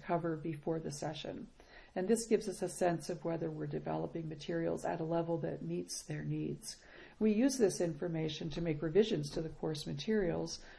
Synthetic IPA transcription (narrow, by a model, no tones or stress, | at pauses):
kʰʌvə˞bɨfɔɹðɨsɛʃɨ̰̃n | ɨ̃nðɪsɡ̥ɪvzʌsɨsɛ̃nsʌvwɛðə˞wɪɹdɨvɛ̰lˠəpɪ̃ŋmɨtʰɪɹil̩ˠzɨ̰ɾəlɛvl̩ˠðɨ̰t̚mitsðə˞nidz̥ | wijʉzðɪsɪ̃ɱfə˞meɪʃɨ̃ntʰɨmeɪkɹɨvɪʒɨ̃nz̥tʰɨðɨkʰɔɹsmɨtʰɪɹil̩ˠz̥